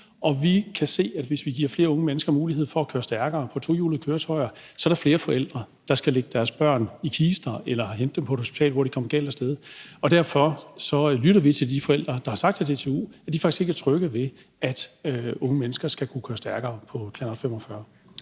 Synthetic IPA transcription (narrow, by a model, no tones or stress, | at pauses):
ʔɒ̽ʋikʰæse̝̰ːæd̥ʋe̝sʋiɡ̥iɐ̰fle̝ːɐɔ̽ŋəmenəsɡ̥ɐmuːlihe̝ð̰ˠfɒ̽ækʰøːɐsd̥æɐɡ̥ɐːpʰɒ̽t͡sʰo̝juːləkʰøːɐt͡sʰɒɪɐsɒ̽æɾɐfle̝ːɐfɒ̽el̰d̥ʁɐ | d̥ɑ̈sɡ̥æleɡ̥əd̥æɐsb̥ɶɐ̰nikʰiːsd̥ɐelɐhend̥ːempʰɒ̽ɾ̥hosi̥t͡sʰɛ̰ːlʋɒ̰d̥ikʰɒ̽mɐɡ̥ɛ̰ld̥æsd̥eð̞ˠɒ̽d̥æɐ̰fɒ̽sɒ̽lyɾɐʋit͡sʰe̝ld̥ifɒ̽el̰d̥ʁɐd̥ɑ̈hɑ̈sɑ̈ɡ̥d̥t͡sʰed̥e̝t͡sʰeṵːæ̥d̥ifɑɡ̥isɡ̥e̝ɡ̥ʰæt͡sʰʁœɡ̥əʋe̝ | ʔæd̥øɔ̽ŋəmenəsɡ̥ɐsɡ̥ækʰukʰøːɐsd̥æɐɡ̥ɐːpʰɒ̽kʰlɛnˠfem̰ɒfɶɐ